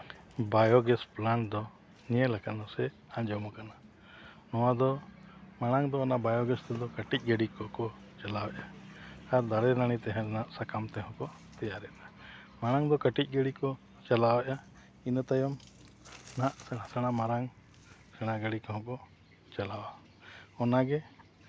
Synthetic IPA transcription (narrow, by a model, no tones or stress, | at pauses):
bajɔɡɛsplaɳd̪ɔ | ɲiɛlakanasɛ | ãɲd͡ʒɔmɔkana | nɔwad̪ɔmaɽ̃aŋd̪ɔanaʔbajɔɡɛst̪ɛd̪ɔkəʈic̚ˀɡəɽikɔkɔ | t͡ʃalawɛʔaaɾd̪aɽɛɾaɽ̃it̪ɛɦɛ̃ɛnaʔsakamt̪ɛɦɔ̃kɔ | t̪ɛjaɾɛʔna | maɽ̃aŋd̪ɔkəʈic̚ˀɡəɽikɔ | t͡ʃalawɛʔa | inət̪ajɔm | naʔsɛɽasɛɽ̃amaɾaŋ | sɛɽ̃aɡaɽikɔɦɔ̃kɔ | t͡ʃalawa | ɔnaɡɛ